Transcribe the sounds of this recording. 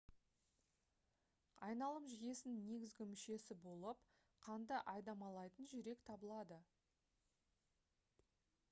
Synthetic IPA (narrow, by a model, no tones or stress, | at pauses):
ɑ̰jnɑlˠəmʒije̞sɪnne̞ɡʲɪzɡʲɪmʏʃe̞sɪbo̞lˠəp | qʰɑnd̪əʔɑjd̪ɑmɑlˠɑjt̪ənʒʏɾe̞kt̪ʰɑbəlˠɑd̪ə